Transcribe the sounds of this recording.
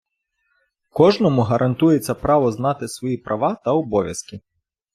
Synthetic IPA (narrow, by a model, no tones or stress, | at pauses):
kɔʒnɔmʊɦɐɾʔɐnt̪ujet͡sʲːɐpɾɑʋɔznɑt̪ɪsʋɔjipɾʔɐʋɑt̪ɐɔbɔʋʲjɐskʲi